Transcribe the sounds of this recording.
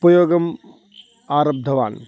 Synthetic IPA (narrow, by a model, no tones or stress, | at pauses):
pɐjoːɡɐm | aːɾɐb̚d̪ʱɐʋa̰ːn